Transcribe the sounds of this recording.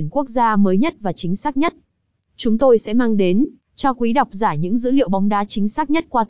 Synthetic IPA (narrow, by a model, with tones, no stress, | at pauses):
ənku˦˥ək̚zaː˧məː˨˦jɲə˦˥t̚vaː˨˩t͡ɕï˨˦ŋ̟saː˦˥k̚ɲə˦˥t̚ | t͡ɕʊ˨˦ŋ͡mt̪o˧jsɛ̰˧˥maː˧ŋɗe˨˦n | t͡ɕɔ˧kwi˨˦ɗa˨˩wk͡p̚zaː˧˩ɲɨ̰˧˥ŋzɨ̰˧˥lḭ˧˨əwɓa˨˦wŋ͡mɗaː˨˦t͡ɕï˨˦ŋ̟saː˦˥k̚ɲə˦˥t̚kwaː˧t̪